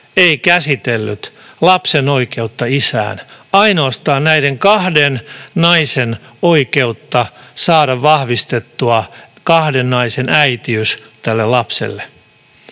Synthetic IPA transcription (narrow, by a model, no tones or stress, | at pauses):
eikæsit̪elːyt̪ | lɑpseno̞ike̞ut̪ːɑisæ̰ːnɑinoːst̪ɑːnnæideŋkɑhdennɑisenoike̞ut̪ːɑsɑːdɑʋʋɑhʋist̪et̪ːuɑkɑhdenːɑisenæit̪iyst̪ælːelɑpsḛlːe